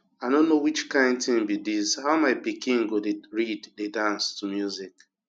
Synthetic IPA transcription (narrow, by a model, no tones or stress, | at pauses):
aɪnõnːowit͡ʃkãɪ̃ndtĩŋbidishaʊmaɪpikĩŋɡodeɹiddedãnstumjuzik